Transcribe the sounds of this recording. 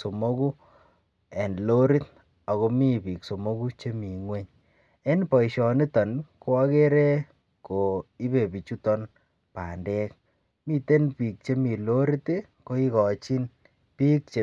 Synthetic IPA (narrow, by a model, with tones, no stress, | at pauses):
so˨mo˦ku˦ | ɛ˨ndlo˦ɾi˦t | a˨ɣo˧mi˦pi˨kso˨mo˦ku˦t͡ʃe˦mi˨ŋwe˦ɲ | e˦npɔ˨iʃɔ˨ni˦tɔ˨nko˦a˦ke˦ɾɛ˦ | ko˨i˦be˨pi˨t͡ʃu˦tɔ˦n | pa̰˨ndɛ˦k̚ | mi˦te˦npi˨k̚t͡ʃe˦mi˨lo˦ɾi˦te˦ | ko˦i˦kɔ˨t͡ʃi˦n | pi˦k̚t͡ʃe